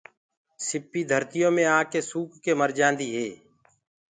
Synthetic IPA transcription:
sɪpːiːd̪ʱəɾt̪ɪjõːmẽːaːkeːsuːkːeːməɾd͡ʒãːnd̪iːɦeː

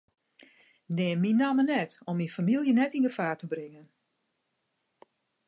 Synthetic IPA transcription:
dɛːnminamənɛtɔminfamilˠjənɛtinɡəfaːtəbrɪŋən

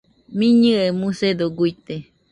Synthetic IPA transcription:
mĩɲɨʔemũsed̪oɡujt̪e

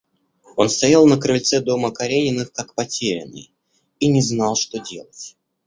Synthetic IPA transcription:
o̞nst̪ɐjalˠnəkɾɨlʲt̪sɛd̪o̞məkɐɾʲenʲɪnːɨxkakpɐtʲeɾʲɪ̰nːɨ̰j | inʲɪznɑlˠʂt̪o̞dʲe̞̰lˠətʲ

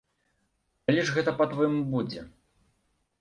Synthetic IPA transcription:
alʲɛʐɣɛt̪ɐpɐt̪vɔjimbud͡zʲɛ̰

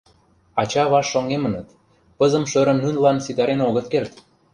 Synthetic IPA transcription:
ɑt͡ɕɑβɑʃːoŋemə̆nət̪ | pəzə̆mʃøɾə̆mnynlɑnsid̪ɑɾenoɣə̆t̪kert̪

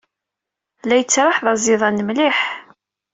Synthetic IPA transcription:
læjət͡sːɾˤɑħðˤɑzˤɪðˤɑnəmliħ

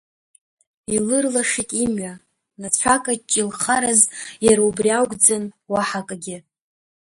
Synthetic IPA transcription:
ilɨrlaʂitʼimɥa | nat͡ɕʷʰakʼat͡ʃʼilχaɾazjaɾaubriawɡʷʼd͡zanwaħakʼaɡʲɪ

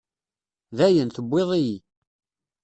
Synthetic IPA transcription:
ðæjənθəbʷːeðˤiji

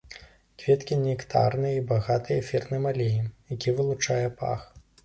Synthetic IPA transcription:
kvʲɛt̪kʲinʲekt̪a̰rnɨjibaɣat̪ɨjɐfʲɛrnɨmalʲejijakʲivɨlˠut͡ʂajɛpa̰x

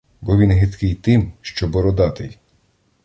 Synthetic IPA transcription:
bɔʋʲinɦɪt̪kɪjt̪ɪmʃt͡ʃɔbɔɾɔd̪ɑt̪ɪj

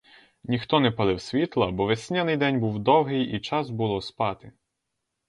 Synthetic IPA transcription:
nʲixt̪ɔnɛpɐlˠɪwsʲʋʲit̪lˠɐbɔʋesʲnʲɛnɪjd̪ɛnʲbuwd̪ɔwɦɪjit͡ʃɑzbulˠɔspɑt̪ɪ

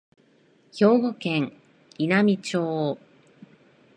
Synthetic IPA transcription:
ço̞ːɡo̞kẽ̞ŋ | inamʲit͡ɕoː

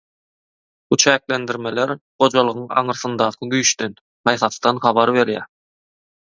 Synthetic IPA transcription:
but͡ʃʰæːklend̪iɾme̞leɾχo̞d͡ʒɑlˠɯʁɯŋɑ̰ɴɯɾθɯnd̪ɑːqʰɯɡyjʃt̪en | hɑjθɑst̪ɑnχɑβɑɾβe̞ɾjæ̰ː

